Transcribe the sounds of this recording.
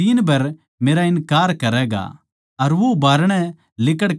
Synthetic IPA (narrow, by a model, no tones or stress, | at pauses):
iːnbʱɐɾ | meːɾaɪnkaːɾkɐɾɛɡa̰ | ɐɾʋobaːɾɽ̃ɛ̃ | lɪk̬əɽ